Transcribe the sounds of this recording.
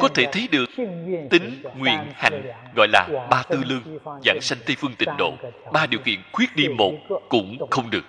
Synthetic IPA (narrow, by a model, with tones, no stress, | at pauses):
kɔ˨˦t̪ʰe˧˩t̪ʰə˨˦jɗɨ˨˩ək̚t̪ï˨˦ŋ̟ŋwḭ˧˨ənha̰˨˧˩jŋ̟ | ɣɔ̰˧˨jlaː˨˩ɓaː˧t̪ɨ˧lɨ˧ŋza̰ː˧˥nsa˧jŋ̟t̪i˧fɨ˧əŋt̪ï˧˨˩ŋ̟ɗo̰˧˨ɓaː˧ɗi˨˩əwkḭ˧˨ənxwi˦˥ət̚ɗi˧mo˨˩t̚kʊ̰˧˥ŋ͡mxə˧wŋ͡mɗɨ˨˩ək̚